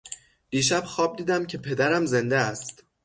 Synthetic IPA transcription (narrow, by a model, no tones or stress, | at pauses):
d̪̥iːʃæb̥xɒːb̚d̪iːd̪æmcʰe̞pʰe̞d̪æɾæmze̞nd̪eæst̪